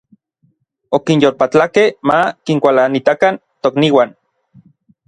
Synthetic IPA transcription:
okinjolpat͡ɬakehmakiŋkʷalanit̪akan | t̪okniwan

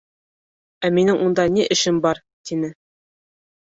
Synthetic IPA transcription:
æminɘŋʔund̪ɑniʔɘ̆ʃɘmbɑɾ | t̪inɘ

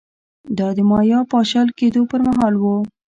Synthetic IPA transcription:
d̪ɑd̪əmɑjɑpɑʃɑlked̪opəɾmaɦɑlwu

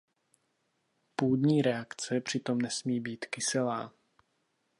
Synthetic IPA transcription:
puːdɲiːɾɛakt͡sɛpr̝̥ɪt̪o̞mnɛsmiːbiːt̪kɪsɪlaː

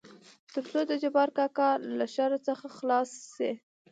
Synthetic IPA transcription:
t̪əɾt͡sod̪əd͡ʒabɑɾkɑkɑlaʃaɾot͡səxaxlɑsːi

